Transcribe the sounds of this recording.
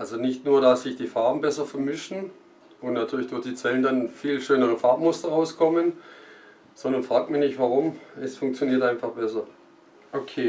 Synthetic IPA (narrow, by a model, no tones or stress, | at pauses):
ʔalzonɪçtnuːɐdasz̥ɪçd̥iːfaɐbm̩bɛsɐfɛɐmɪʃn̩ | ʔʊntnatʰyːɐlɪçd̥ʊɐçd̥iːt͡sɛləndanfiːlʃøːnəʁ̞əfaɐpmʊstɐʁaʊskʰɔmən | z̥ɔndɐnfʁ̥aːɡk̚tmɪçnɪçtvaʁʊmʔɛsfʊŋk̚t͡sjoniːɐtaɪnfaχb̥ɛsɐ | ʔokʰeː